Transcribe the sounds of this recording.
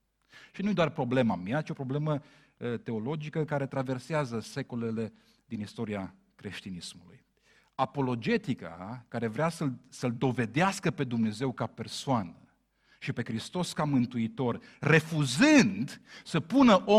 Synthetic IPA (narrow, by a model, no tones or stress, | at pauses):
ʃinujd̪oarpɾo̞ble̞mamiat͡ʃio̞pɾo̞ble̞mə | t̪e̞o̞lo̞d͡ʒikəkaɾe̞t̪ɾave̞rseazəse̞ko̞le̞le̞ | d̪inist̪o̞ɾia | kɾe̞ʃt̪inismulṵj | apo̞lo̞d͡ʒe̞t̪ika̰kaɾe̞vɾeasəlsəld̪o̞ve̞d̪easkəpe̞d̪umne̞ze̞wkape̞rsoanə | ʃipe̞kɾist̪o̞skamɨnt̪uit̪o̞r | re̞fuzɨnd̪səpunəʔo